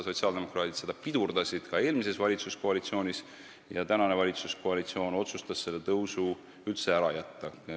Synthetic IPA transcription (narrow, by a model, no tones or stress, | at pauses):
so̞t̪siɑld̪̥e̞mo̞kɾɑːt̪id̪̥se̞d̪̥ɑpid̪̥urd̪̥ɑsʲid̪̥kɑe̞ːlmise̞svɑlʲit̪susko̞ɑlit̪sio̞ːnʲis | jɑt̪ænɑne̞vɑlʲit̪susko̞ɑlit̪sio̞ːno̞t̪sust̪ɑsse̞lːet̪ɤwsu | ylt̪se̞æɾɑjæt̪ːɑ